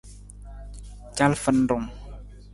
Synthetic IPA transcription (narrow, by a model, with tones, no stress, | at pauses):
t͡ʃa˦lfə˧˨ndʊ˨ŋ